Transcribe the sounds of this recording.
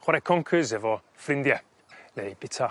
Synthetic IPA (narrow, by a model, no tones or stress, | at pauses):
χwaɾɛkʰɔŋkʰɨzɛvɔ | frɪndjɛ | nejb̥ɪtʰa